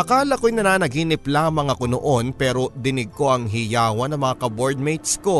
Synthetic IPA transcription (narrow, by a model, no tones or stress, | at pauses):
ʔɐkaːlɐkojnɐnaːnɐɡiːnɪplaːmɐŋɐko̞noʔo̞npɛːɾo̞d̪ɪnɪɡ̚ko̞ʔɐŋɦijaːwɐnɐŋmɐŋakɐboɹd̪̚mejt̪sko̞